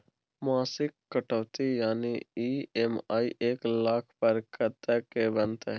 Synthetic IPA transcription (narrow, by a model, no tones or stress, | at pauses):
maːsɪkːəʈəʋt̪ijaːniiːɛmaːiʔeːklaːkʰpɐɾkɐt̪ekebənt̪eɦ